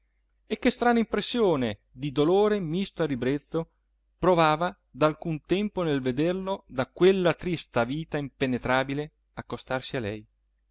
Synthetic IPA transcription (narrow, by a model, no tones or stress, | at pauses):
ekːest̪ɾaːnaimpɾesːjoːne | d̪id̪oloːɾemist̪oaribɾet̪sːo | pɾovaːva | d̪alkunt̪ɛmponelved̪erlod̪akwelːat̪ɾist̪aviːt̪aimpenet̪ɾaːbile | akːost̪arsialɛ̰j